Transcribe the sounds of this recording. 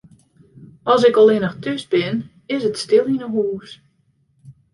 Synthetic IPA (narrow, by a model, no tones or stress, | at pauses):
ɔsɪkɔlˠɪnəxtʰøsbɪn | ɪsətstɪlˠinəɦuːs